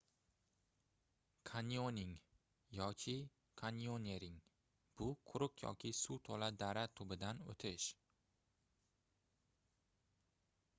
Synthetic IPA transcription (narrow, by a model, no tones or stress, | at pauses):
kʰanionɪŋ | jɒkʲʰɪ | kʰanioneɾɪŋ | b̥ʊqʰʊɾʊqjɒ̰kʲɪsut̪ʰɒlad̪aɾat̪ʰʊbɪd̪ano̰t̪ʰɪʃ